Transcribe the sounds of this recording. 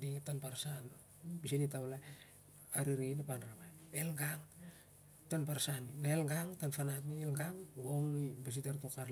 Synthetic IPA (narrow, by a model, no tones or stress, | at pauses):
ditanpaɾsan | bisinitawla | aɾiɾinapanɾamaelɡaŋ | tanpaɾsaninaelɡaŋtanfanatnielɡaŋɡoŋibas̬itaɾtokaɾ